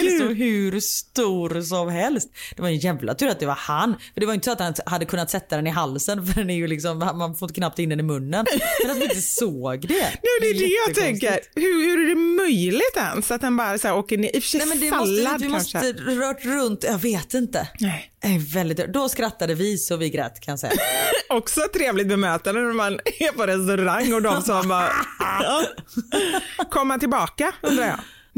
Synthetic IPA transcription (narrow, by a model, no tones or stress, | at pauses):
soɦʉ̟ɾst̪uːɾs̬ɔmɦɛlst̪d̪ɛvaɾɛnjɛvla̰t̪ʰʉːɾat̪̚d̪ɛva̰ɾhanːfœɖɛvajʏnt̪əsɔat̪hanhad̪ːəkʰɵnːat̪sɛt̪ːad̪ɛnɪɦalsənfœɖɛnæɾjɵlɪksɔmanmanfoɾɪnt̪əkʰnap̚t̪ɪnːɛnɪmɵnːənmɛnat̪manɪnt̪ːəsoːɡd̪ɛnɛmd̪ɛːdɛjat̪ʰɛŋkəɾhʉhʉɾæɖɛmœjlɪɡt̪ɛnsat̪̚d̪ɛnbɑːɾasæːɾoːkəɳɪːʔɪfœ̥ʂɛɛmɛnd̪ɛalːad̪ɪkɔansʂəəɾœːʈɾɵnt̪jɑːɡveːt̪ɪnt̪ənɛɪ | ɛvɛld̪ɪt̪ø̰d̪ɔskɾat̪ːad̪əvɪsɔvɪɡɾɛ̰ːt̪kʰanjasɛ̰jːɔksɔɛt̪ʰːɾeːvlɪɡt̪̚bɛmøːt̪and̪ənæɾmanɛpɔɾɛst̪ɵɾaŋːɔd̪ɔmsɔmbɑː | kʰɔmːat̪ɪlbɑːkaɵnd̪ɾajɑ̰ː